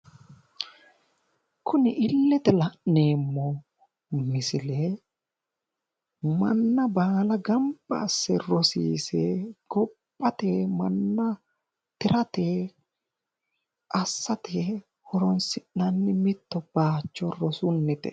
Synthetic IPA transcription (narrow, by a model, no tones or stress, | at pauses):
kʰʊnɪʔɪlːɛt̪ɛlɐʔne̞ːmːɔ | mɪsɪle | mɐnːɐbaːlɐɡɐmba̰ːsːɛɾɔsiːsɛɡ̥ɔpʼːɐt̪eːmɐnːɐ | t̪ɪɾɐt̪eː | ʔɐsːɐt̪e | hɔɾɔnsɪnːɐnːɪmɪt̪ːɔb̥aːt͡ʃːɔɾɔsʊnːɪt̪ɛ̰